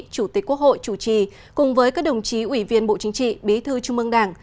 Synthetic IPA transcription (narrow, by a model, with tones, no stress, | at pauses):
t͡ɕu˧˩t̪i˨˦˥k̟̚ku˦˥ək̚ho̰˧˨jt͡ɕu˧˩t͡ɕi˨˩ | kʊ˨˩ŋ͡mvəː˨˦jkaː˦˥k̚ɗə˨˩wŋ͡mt͡ɕi˨˦ʔwi˧˩vi˧ənɓo̰˧˨t͡ɕï˨˦ŋ̟t͡ɕḭ˧˨ɓi˨˦t̪ʰɨ˧t͡ɕʊ˧ŋ͡mʔɨ˧ŋɗaː˧˩ŋ